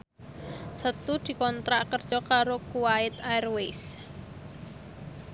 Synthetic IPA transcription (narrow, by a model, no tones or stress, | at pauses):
sət̪ud̪̥i̤kɔnt̪ɾaʔkərd̥ʒ̥ɔkaɾokuwaɪt̪airwes